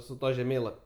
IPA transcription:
sʊ ˈtuɔ ʒʲɛˈmʲeːlˠɐpʲ

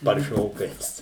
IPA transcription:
pɐrʲˈʃʲoːkɐɪs

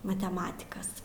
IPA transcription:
mɐtʲɛˈmɑːtʲɪkɐs

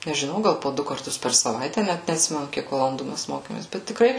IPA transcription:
nʲɛʒʲˈɪnɐʊ ˈɡɐlˠ poː ˈdʊ kɐrˈtʊs pʲɛr sɐˈʋɐɪtʲɛ ˈnʲæt nʲɛɐtʲˈsʲɪmʲɛnʊ ˈkʲiɛk ʋɐlˠɐnˈduː ˈmʲæs ˈmoːkʲeːmʲeːs bʲɛt tʲɪkˈrɐɪ

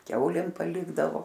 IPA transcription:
ˈkʲɛʊlʲeːm pɐˈlʲɪɡdɐʋoː

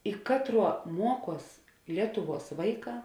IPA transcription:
ɪ ˈkɑːtˌruɔ ˈmuɔˌkuɔs ˈlʲiɛtʊˌʋuɔs ˈʋɐɪˌkɑː

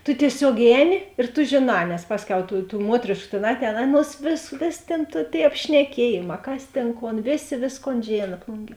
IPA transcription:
tʊ tʲiɛˈsʲoːk ˈɛːˌnʲɪ ɪr tʊ ˈʒʲeːˌnɑː nʲɛs ˈpɑːsʲˌkʲɛʊ tuː tuː ˈmuɔtʲrʲeːʃkʊ tʲeːn ˈɑːtʲˌɛːn ˈɑːˌnuɔs ʋʲeːs ˈʋʲeːsʲ tʲeːn tʊ tʲeːɪ ɐpʲʃʲnʲɛˈkʲiɛjeːˌmɑː ˈkɐs ˈtʲeːn ˈkoːn ˈʋʲeːˌsʲeː ˈʋʲeːsˌkoːn ˈʒʲeːnɐ ˈplˠʊŋʲˌɡʲiɛ

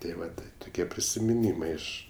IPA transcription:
tʲeː ˈʋɐt tɐɪ tʊˈkʲiɛ pʲrʲɪsʲɪmʲɪˈnʲiːmɐɪ ˈɪʃ

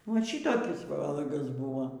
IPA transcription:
ˈʋɐ ˈʃʲɪtoːkʲɪs ˈʋɑːlˠɐɡɐs ˈbʊʋoː

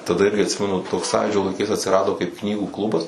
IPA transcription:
tɐˈdɐ ˈɪrʲɡʲɪ ɐtʲˈsʲɪmʲɛnʊ ˈtoːks ˈsɑːjuːd͡ʒʲoː lˠɐɪˈkɐɪs ɐtʲsʲɪˈrɑːdoː kɐɪp ˈknʲiːɡuː ˈklˠʊbɐs

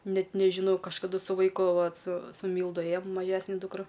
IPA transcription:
ˈnʲɛt nʲɛʒʲɪˈnɐʊ kɐʃkɐˈdʊ sʊ ʋɐɪˈkʊ ˈʋɐt sʊ sʊ ˈmʲiːlˠdʊ ˈeːjoːm mɐˈʒʲæːsʲnʲɛ duːkˈrɐ

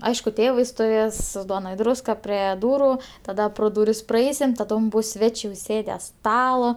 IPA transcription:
ˈɐɪʃkʊ ˈtʲeːʋɐɪ stʊˈʋʲeːs ˈduɔnɐ ɪ ˈdruːskɐ ˈpʲrʲɛ ˈduːrʊ tɐˈdɐ proː duːˈrʲɪs prɐˈɛɪsʲɪm tɐˈdoːm ˈbʊs ˈsʲʋʲæːt͡ʃʲeː ʊˈsʲeːdʲɛ ˈstɑːlˠɐ

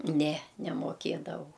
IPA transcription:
ˈnʲɛ nʲɛmoːˈkʲeːdɐʋɐʊ

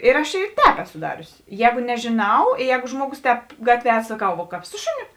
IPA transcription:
ɪr ɐʃ ɪ ˈtʲɛːp ˈæːˌsʊ ˈdɑːrʲʊsʲɪ ˈjɛːɡʊ nʲɛʒʲeːˈnɐʊ ɪ ˈjɛːɡʊ ˈʒmuɔˌɡʊs ˈtʲɛːp ˈɡɑːtʲʋʲiɛ ɐ sɐˈkɐʊ ˈʋoː kɑːp ˈsʊ ʃʊˌnʲʊ

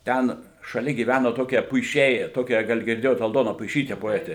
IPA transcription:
ˈtʲɛn ʃɐˈlʲɛ ɡʲiːˈʋʲænoː ˈtoːkʲiɛ pʊɪˈʃʲɛɪ ˈtoːkʲæː ˈɡɐlˠ ɡʲɪrʲˈdʲeːjoːt ɐlˠˈdoːnɐ pʊɪˈʃʲiːtʲɛ poːˈæːtʲeː

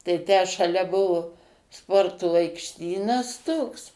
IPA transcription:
tɐɪ ˈtʲæː ʃɐˈlʲɛ ˈbʊʋʊ ˈspoːrtoː ɐɪkʃʲˈtʲiːnɐs ˈtoːks

